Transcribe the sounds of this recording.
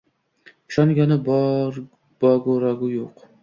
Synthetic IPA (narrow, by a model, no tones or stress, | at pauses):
ʊʃɒŋɡʲanɪbɾ | b̥ɒɡoɾaɡʊjoq